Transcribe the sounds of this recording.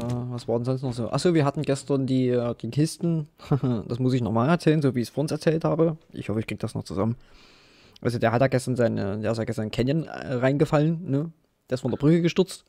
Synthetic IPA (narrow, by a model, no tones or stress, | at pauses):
javasv̥aːdɛnzɔnstnɔχz̥oːʔa̰χz̥oːviːɐɦatn̩ɡɛstɐndiːd̥iːkʰɪstn̩hd̥asmʊsɪçnɔχmaːlɛɐt͡sɛːlənzoːviːɪçsfoːɐʊnsɛɐt͡sɛːlthaːbəʔɪ̰çhɔfəɪçkʁiːɡəd̥asnɔ̰χt͡suzamən | ʔa̰lzodeːɐhatjaːɡɛstɐnzaɪnədeːɐɪstjaːɡɛstɐnkʰɛnjənɛ̰ʁaɪnɡəfalənːə | d̥eːɐɪsfɔndeːɐbʁʏkəɡəʃtʏɐt͡st